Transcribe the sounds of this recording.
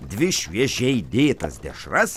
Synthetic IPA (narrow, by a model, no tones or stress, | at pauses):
d̪ʲʋʲɪʃʲʋʲiɛʒʲɛɪd̪ʲeːt̪ɐ̰sd̪ʲɛʃrɐs